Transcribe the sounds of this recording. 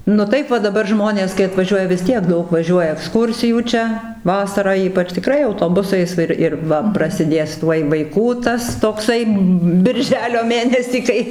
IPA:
nʊ ˈtɐɪp ʋɐ dɐˈbɐr ˈʒmoːnʲeːs kɐɪ ɐtʋɐˈʒʲuɔjɛ ʋʲɪs ˈtʲiɛk ˈdɐʊk ʋɐˈʒʲuɔjɛ ɛkˈskuːrʲsʲɪjuː ˈt͡ʃʲɛ ˈʋɑːsɐrɑː ˈiːpɐt͡ʃ tʲɪˈkrɐɪ ɐʊtoːˈbʊsɐɪs ˈɪr ɪr ˈʋɐ prɐsʲɪˈdʲeːs ˈtuɔj ʋɐɪˈkuː ˈtɐs toːkˈsɐɪ bʲɪrʲˈʒʲæːlʲoː ˈmʲeːnʲɛsʲiː ˈkɐɪ

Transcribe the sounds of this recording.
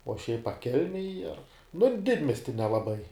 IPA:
oː ʃʲɛɪp ɐ ˈkʲɛlʲmʲɛj ɐr nʊ ˈdʲɪdʲmʲiɛsʲtʲɪ nʲɛlˠɐˈbɐɪ

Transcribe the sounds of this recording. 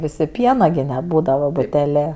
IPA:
ˈʋʲɪsʲɪ ˈpʲiɛnɐ ɡʲɪ nʲɛˈbuːdɐʋɐ bʊtʲɛˈlʲeː

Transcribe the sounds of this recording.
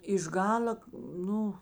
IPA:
ɪʃ ˈɡɑːlʲɐ ˈnʊ

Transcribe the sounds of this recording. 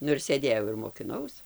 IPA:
ˈnʊ ɪr sʲeːˈdʲeːjɛʊ ɪr moːkʲɪˈnɐʊs

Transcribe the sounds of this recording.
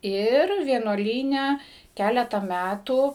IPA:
ˈɪr ʋʲiɛnuɔˈlʲiːnʲɛ ˈkʲælʲɛtɐ ˈmʲætuː

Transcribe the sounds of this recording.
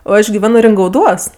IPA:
oː ˈɐʃ ɡʲɪˈʋʲæːnoː rʲɪŋɡɐʊˈduɔs

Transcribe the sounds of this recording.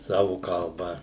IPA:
ˈsɑːʋʊ kɐlˠˈbɐ

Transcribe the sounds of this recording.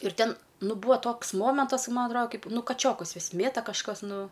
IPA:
ɪr ˈtʲɛn ˈnʊ ˈbuːɐ ˈtoːks moːmʲɛntɐs kɐ ˈmɐ ɐtˈroːdɐ ˈkɐɪp ˈnʊ kɐˈt͡ʃʲoːkʊs ˈʋʲɪs ˈmʲeːtɐ kɐʃˈkɐs ˈnʊ

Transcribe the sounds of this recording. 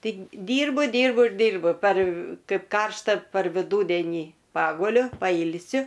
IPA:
ˈtɐɪ dʲiːrbʊ ˈdʲiːrbʊ ɪr ˈdʲiːrbʊ pɐr ˈkɐɪp ˈkɐrʃtɐ pɐr ʋʲɪˈduːdʲeːnʲiː ˈpɑːɡʊlʲʊ pɐˈiːlʲsʲʊ

